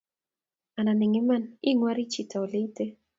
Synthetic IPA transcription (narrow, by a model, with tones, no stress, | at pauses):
a˨na˨ni˨ŋi˦mani˦ŋwa˦ɾi˦t͡ʃita˨ɔ˨li˦i˦te˦